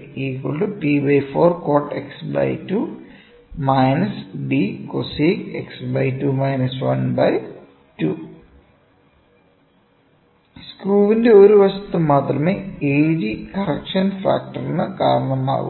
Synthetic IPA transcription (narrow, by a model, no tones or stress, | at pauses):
iːkːoɭɖupibɐjfoːrkoːrʈeksbɐ̰jtu | mɐjnɐsɖikosiːkḛksbɐjtuːmɐjnɐsʋɐnbɐj | tuː | skruːʋinde̞o̞ɾuʋɐsɐ̥t̪ːɨmaːt̪rɐmeːeːd͡ʑikɐrɐkʂɐnfa̰ːk̚ʈɐrinːɨka̰ːɾɐɳɐma̰ːɣṵ